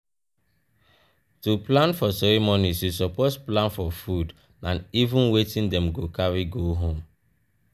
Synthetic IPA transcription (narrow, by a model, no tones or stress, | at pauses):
tuplãnfɔsɛɹɛmonisjusɔposplãnfɔfud | ãnivũnwetĩndɛ̃mɡokaɹiɡoɦõm